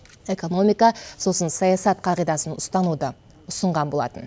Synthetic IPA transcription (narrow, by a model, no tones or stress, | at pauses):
e̞ko̞no̞mijkɑso̞sənsɑjɑsɑt̪̚qʰɑʁijd̪ɑsənʊst̪ɑnud̪ə | ʊsəɴʁɑnbo̞lˠɑ̰t̪ən